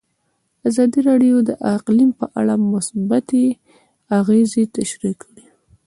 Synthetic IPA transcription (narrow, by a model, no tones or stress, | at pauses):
azɑd̪iɾɑɖjod̪əʔaqlimpə̰ʔa̰ɽamʊsbat̪e | aɣezet̪aʃɾikɽi